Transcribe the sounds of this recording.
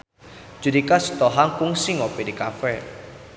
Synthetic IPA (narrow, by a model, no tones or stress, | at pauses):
d͡ʒ̥udikasu̥t̪ɔɦaŋkuŋsiŋɔpidikafɛ